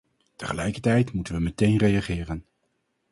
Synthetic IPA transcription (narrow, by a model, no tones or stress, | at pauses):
təχəlɛjkəɹtɛjtmutənʋəmɛtejnrejaχɪːrən